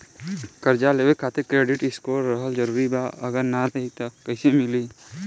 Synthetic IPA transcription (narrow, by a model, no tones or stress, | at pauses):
kəɾd͡ʒaleːwekʰaːt̪ekɾeːɖɪʈɪskoɾəɦəld͡ʒəɾuːɾibaəɡəɾnatɦit̪okəɪsemɪli